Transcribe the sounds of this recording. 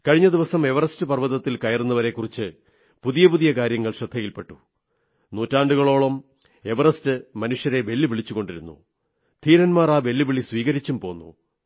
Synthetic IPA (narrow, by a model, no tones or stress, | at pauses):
kɐɻiɲːɐd̪iʋɐsɐme̞ʋɐrɐstɨpɐrʋɐðɐt̪ːilkɐjɐrunːɐʋɐɾe̞kːurit͡ɕːɨ | puðijɐpuðijɐkaːɾjɐŋːɐɭʂɐd̪ʱːɐjilpe̞ʈːu | nuːtːaːɳɖuɣɐɭo̞ːɭɐm | e̞ʋɐrɐstɨmɐnuʂjɐɾe̞ʋe̞lːiʋiɭit͡ɕːuɣo̞ɳɖiɾunːṵ | t̪ʰiːɾɐnmaːraːʋe̞lːiʋiɭisʋiːɣɐɾit͡ɕːumpo̞ːnːṵ